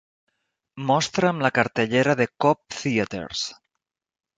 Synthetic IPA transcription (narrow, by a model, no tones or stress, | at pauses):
mɔst̪ɾəːmlakaɾt̪eʎeɾaðekɔp̚θiat̪ḛɾs